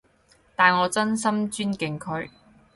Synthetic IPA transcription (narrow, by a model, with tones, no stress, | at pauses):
t̪aː˨˩nŋɔː˨˧t͡sɐ˥nsɐ˥mt͡ʃyː˥nkɪ˨ŋkʰɵ˧ɥ